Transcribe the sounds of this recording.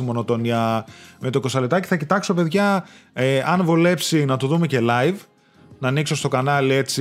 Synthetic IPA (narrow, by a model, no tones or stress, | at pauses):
imo̞no̞t̪o̞niɐme̞t̪o̞ko̞sɐlet̪ɐci̥θɐcit̪ɐkso̞pe̞ðʝɐ | ɐnvule̞psinɐt̪uðume̞ce̞lɐjv | nɐːnikso̞st̪o̞kɐnɐle̞t͡si